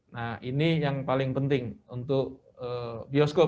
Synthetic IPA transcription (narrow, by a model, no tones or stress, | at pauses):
nahinijaŋpalɪŋpənt̪ɪŋunt̪ʊk | əbiɔsko